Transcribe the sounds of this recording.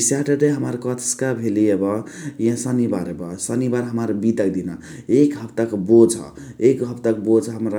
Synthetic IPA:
saʈəɖeɦəməɾkɔt̪ʰskabʱeliebʌjãsənibaɾebʌsənibaɾɦəməɾbit̪ək̚d̪ina | ekɦəpt̪əkbod͡ʒʱʌ̰ekɦəpt̪ək̚bod͡ʒɦəmɾa

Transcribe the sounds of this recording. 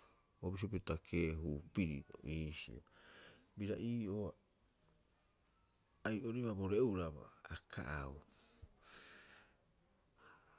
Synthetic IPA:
obis̬iopetakʰe̞ːɦupiɾḭʔo̰iːsḭo̰biɾaiːo̞ | ajʔoɾiβaboɾeuɾaba̰ːkʰa̰ʔau

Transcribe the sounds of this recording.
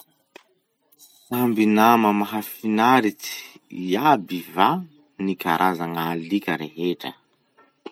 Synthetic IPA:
sambinaməmaɦafinaɾit͡si̥abiva | nikaɾʔazaŋalikʲəɾeɦeʈ͡ʂə̰

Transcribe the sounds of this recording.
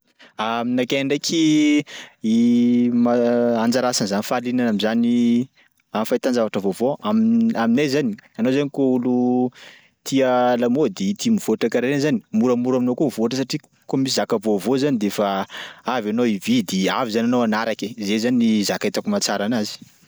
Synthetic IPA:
aminakeɳɖ͡ʐekʰi | imaand͡zaɾasanzanifalinanamizani | amifajt̪and͡zavaʈ͡ʂəvovoamiaminezanianozanikoulu | t̪ʰialamod̪eit̪imiv̥oaʈ͡ʂakaɾenzani̥muɾəmuɾaminokumivoaʈ͡ʂəsaʈ͡ʂi | komisizakəvovozanid̪efaavanowivid̪eavizananoanaɾakezezaniizakaet̪akumat͡saɾanazi̥

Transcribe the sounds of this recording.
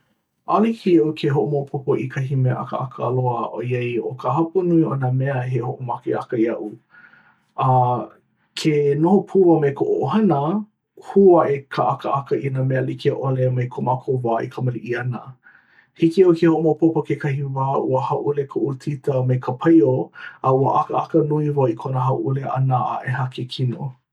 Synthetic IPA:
ʔalikiʔokʰeɦoʔomoopʰopoʔikʰɐɦimeəʔɐ̰kə̰ɐkəːloəʔojɐjokʰəhɐpunuiʔonəmeɐɦehoʔomakeɐkəjɐʔu | ɐ | kʰenohopʰuvɐmekʰoʔoʔoɦɐnə | huɐʔekʰəʔakəʔɐkəʔinəmeɐlikeʔolemɐjkʰomakʰovaːʔḭkʰɐməliʔiɐnə | hikiɐwkehoʔomopopokekʰɐhivaːʔuəhɐʔulekʰoʔutʰitəmejkʰəpʰɐjoɐuəʔɐkə̰ʔɐkənuivoikʰonəɦɐʔuleʔɐnaʔaʔehɐkʰekʰino

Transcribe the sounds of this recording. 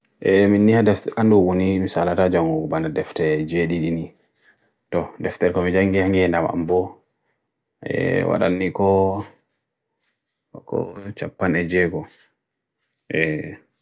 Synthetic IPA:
ʔɛminːihadɛfʔanduwunimisalatad͡ʒaŋɡuɡbandadɛftɛd͡ʒeɗiɗini | tɔdɛftɛɾkɔmid͡ʒaŋɡihaŋɡihɛndama̰mbɔ | ɛ̰wa̰ɗa̰nːikɔ | kɔ̰t͡ʃapːanɛd͡ʒɛɡɔ | ʔɛ

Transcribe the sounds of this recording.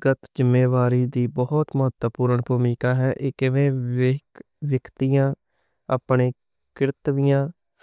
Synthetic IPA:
ɡət̪d͡ʒɪmːeːʋaːɾiːd̪iːbɔːt̪mʊɦət̪əpuːɾəɳbʱuːmiːkaːɦɛːʔɪːkɪʋẽː | ʋjəkt̪ijãː | aːpɳeː | kɪɾɪt̪ʋijãː | s

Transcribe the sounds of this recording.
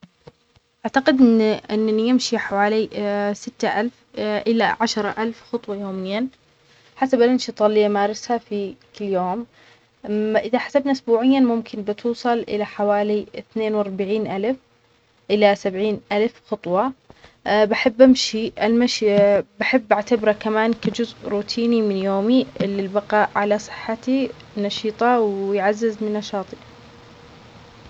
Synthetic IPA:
ʔaʕt̪aqɪd̪ʔɪnʔɪnːnijɪmʃiħawaːlisɪt̪ːaʔalf | ʔɪla̰ʕaʃɑɾˤɑʔalfxɑt̪ˤwɑjoːmɪjːa | ħasabalʔanʃit̪ˤɑːlɪjːamaːɾˤɪshafikɪlːjoːm | ʔɪðaħḁsabnaʔʊsbuːʕɪjːamʊmkʰɪnbɪt̪ʰuːsˤɑlʔɪ̰laħawaːliɪθneːnwɑɾˤbaʕiːnʔalf | ʔɪlasabʕiːnʔalfxʊt̪ˤwɑ | baħɪbːʔamʃiʔalmaʃbaħɪbːʔaʕt̪abɾakamaːnkad͡ʒʊzʔɾuːt̪ʰiːnimɪnjoːmiʔɪlːɪlbɑqɑːʔʕalasˤɨ̥ħːat̪i | nɑʃiːt̪ˤɑwjʕazːɪzmɪnːɑʃɑːt̪ˤi

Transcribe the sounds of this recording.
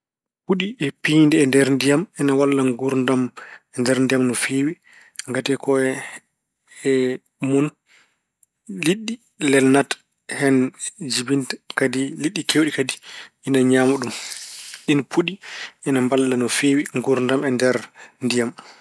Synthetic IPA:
puɗiɛpindɛɛndɛɾndijamɛnawalːaŋɡuɾndamɛndɛɾndijamnɔfeːwi | ŋɡatɛkɔɛ | ɛ | mɔn | liɗːi | lɛlnat | hɛnd͡ʒibintkadiliɗːikʰewɗikadiʔinaɲaːmuɗumɗinpʰuɗiɛnambalːanɔfeːwiŋɡuɾndamɛndɛɾndijam

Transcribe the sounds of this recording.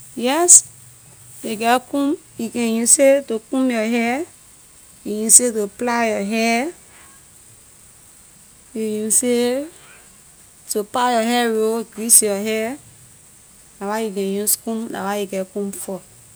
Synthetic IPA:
jɛs | jeɡɛkũmjikɛ̃jũsetokũmjɔɦɛ | jojũsetoplajɔɦɛ | jojĩse | topajɔɦɛɾoɡɾisjɔɦɛ | nawajukɛ̃jũskũmla̰wajeɡɛkũmfɔ

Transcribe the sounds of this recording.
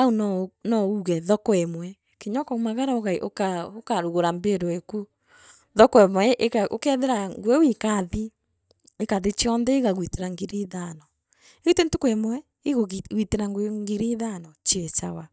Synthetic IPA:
aunɔnɔuɣɛðɔkɔɛmwɛ | keɲɔkɔumaɣaɾaoɣaiʔokaokaɾuɣoɾambeɾoeku | ðɔkɔɛmwɛʔekao̰kɛðeɾaŋɡwewikaðiː | kaðet͡ʃiɔnðɛeɣaɣwiteɾaŋɡeɾeːðanɔ | eɣutentokwɛmwɛ | eɣoɣwiteɾaŋɡweŋɡeɾeðanɔt͡ʃiɛt͡ʃa̰wa

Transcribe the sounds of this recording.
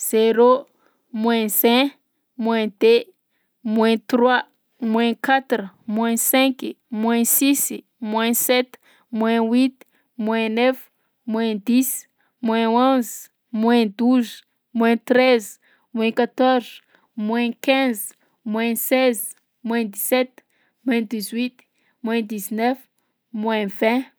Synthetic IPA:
z̥eɾo | mwɛ̃sɛ̃ | mwɛ̃d̪e | mwɛ̃t̪rwa | mwɛ̃kat̪ɾumwɛ̃sɛ̃k | mwɛ̃sis | mwɛ̃sɛt̪ | mwɛ̃wit̪ | mwɛ̃nɛf | mwɛ̃d̪is | mwɛ̃õz | mwɛ̃d̪uz | mwɛ̃t̪ɾɛz | mwɛ̃kat̪ɔrz̥ | mwɛ̃kɛ̃z | mwɛ̃sɛz | mwɛ̃d̪isɛt̪ | mwɛ̃d̪izwit̪ | mwɛ̃d̪iznɛf | mwɛ̃vɛ̃

